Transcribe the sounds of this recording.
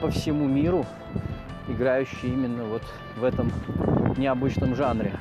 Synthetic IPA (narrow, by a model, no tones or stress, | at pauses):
pəfsʲɪmumʲiɾʊ | ɪɡɾajʉɕːɪjimʲɪnːəvo̞t̪ | vɛt̪əmnʲɪɐbɨt͡ɕnəmʐanɾʲɪ